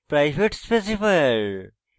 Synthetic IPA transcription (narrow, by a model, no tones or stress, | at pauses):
pɾajbʱeʈspes̬ifɐɾ